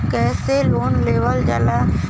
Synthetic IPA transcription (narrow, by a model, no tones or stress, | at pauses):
kɛːseloːnleːʋəld͡ʒa̰la